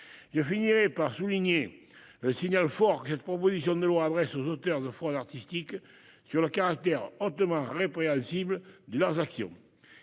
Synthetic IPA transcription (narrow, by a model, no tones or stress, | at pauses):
ʒ̥əfiniʁepaʁsuliɲe | ləsiɲalfɔʁkəsɛt̪ə̥pʁopozisjɔ̃nd̪əlwaːd̪ʁɛsozot̪œʁd̪əfɔ̃d̪aʁt̪ist̪ik | syʁləkaʁak̚t̪ɛʁɔt̪əmɑ̃ʁepʁeɑ̃nsibləd̪əlœʁzaksjɔ̰̃